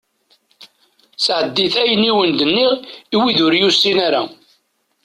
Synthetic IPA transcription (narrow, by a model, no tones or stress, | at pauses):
sʕəd̪ːiθæjəniwənd̪ənːiʁiwiðʊɾjusːinæɾæ